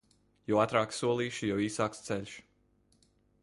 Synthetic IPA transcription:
jɔwat̪ɾaːksuɔlˠiːʃijɛwiːsaːkst̪sɛlʲʃ

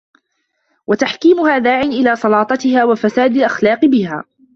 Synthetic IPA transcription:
wat̪aħkiːmʊhaːðaːʕɪnʔɪlaːsˤɑlɑːt̪ˤɑt̪ɪhaːwafasaːd̪alʔaxlɑːqɨbɪha̰ː

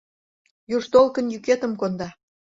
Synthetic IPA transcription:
juʒt̪olkə̆njyket̪ə̆mkond̪ɑ

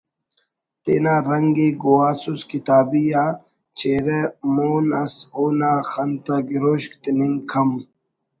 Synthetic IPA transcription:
t̪ḛːnaːɾɐŋɡeɡowaːsuskit̪aːbijaː | t͡ɕeːɾemoːnɐsoːnaːxɐnt̪aɡiɾoːɕkt̪iniŋkʰɐm

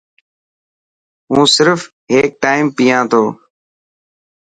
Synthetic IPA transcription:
ũːsɪɾf | ɦeːk̚ʈaːɪmpiːãːt̪ʰoː

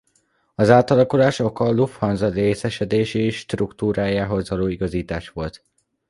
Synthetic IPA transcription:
ɒzaːt̪ɒlɒkulaːʃo̞kɒlufhɒnzɒreːsɛʃɛd̪eːʃeːʃːt̪rukt̪uːɾaːjaːɦo̞zʋɒloːiɡɒziːt̪aːʃʋo̞lt̪

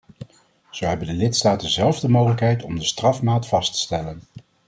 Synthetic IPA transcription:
z̥owɦɛbəndəlɪtstaːtdəzɛlˠvdəmowχələkɦɛjtɔmdəstrɑfmaːtfɑstə̥stɛlən

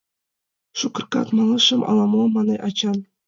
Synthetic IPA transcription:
ʂukɤ̆rkɑ̰t̪mɑlˠɤʂɤ̆mɑ̰lˠɑmomɑnɤʔɑt͡ɕɑn

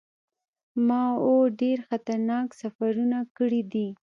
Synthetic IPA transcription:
mɑoɖeɾxat̪aɾnɑksafaɾunakəɽid̪i

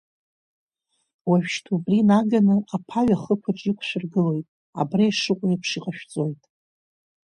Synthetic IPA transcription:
waʒᶣʃtʰubrinaɡanɨapʰaɥaχəkʷʰaʈ͡ʂʼikʷʰʃʷᶣʊrɡɨlo̞jtʼ | a̰brajʂɨqʷʼʊipʰʂiqʼaʃᶣt͡sʼo̞jtʼ

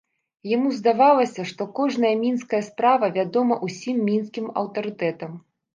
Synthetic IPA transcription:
jamuzd̪avalˠɐsʲɐʂt̪ɔkɔʐnɐjɐmʲinskɐjɐspɾavɐvʲad̪ɔmɐʔusʲimːʲinskʲimɐ̰wt̪ɐɾɨt̪ɛt̪ɐm

